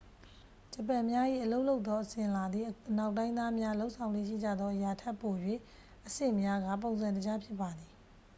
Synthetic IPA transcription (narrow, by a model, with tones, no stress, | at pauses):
t͡ɕəpɛ˨mja˦ʔḭ˦˨ʔəlo˦ʊʔlo˦ʊt̪ːɔ˦ʔəsɪ̃˨la˨d̪ði˦˨na˦˨ʊʔtːã˦ɪ̃nd̪ða˦mja˦lo˦ʔsʰã˨ʊ̃lwḛ˦˨ʃḭ˦˨d͡ʑa̰˦˨d̪ðɔ˦ʔəja˨tʰɛ˦pːo˨jwḛ˦˨ | ʔəsɪ̃˦˨mja˦ɡa̰˦˨põ˨ʊ̃nzã˨ntə˨d͡ʑa˦pʰjɪ˦pːa˨d̪ði˨